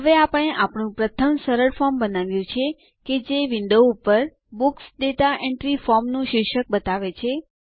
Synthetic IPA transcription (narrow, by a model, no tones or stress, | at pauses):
ɦəʋeapəɽ̃eʔapɳ̃ũpɾət̪ʰəmsəɾəɭfɔɾmbənaʋjũt͡ʃʰe | ked͡ʒeʋɪnd̪oupəɾ | buksd̪et̪aʔẽɳʈɾifɔɾmnũʃɪkʃək̚bət̪aʋet͡ʃʰe